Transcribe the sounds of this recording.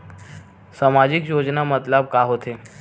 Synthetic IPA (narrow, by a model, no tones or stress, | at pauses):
samad͡ʑikjod͡ʑnamət̪ləb̚kaɦot̪e